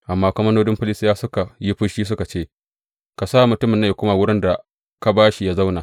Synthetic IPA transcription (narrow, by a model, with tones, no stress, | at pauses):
ʔa˨mːaː˦kʷɐ˦mɐ˦noː˦dɪ˦mɸɪ˦lɪ˦sɪ˦jaː˦sʊ˦ka˨ji˦ɸʊ˦ʃiː˦s̬ʊ˦ka˨t͡ʃeː˦ | ka˨saː˦˨mʊ˨tʊ˦mɪ˨nːa˦ju˨kʷʊ˦maː˨wʊ˦ɽɪ˦nda˨ | ka˦baː˦ʃi˦ja˦za˦wna˨